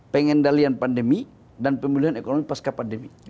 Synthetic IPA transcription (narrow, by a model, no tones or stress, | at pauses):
pɛŋɛndalianpandəmi | danpəmiluɦanɛkonomipaskapandəmi